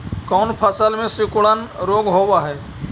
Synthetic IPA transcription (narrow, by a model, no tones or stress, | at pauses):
kɔːnpʰəsəlmẽsɾɪkuɽənɾoːɡɦoːwaɦɛː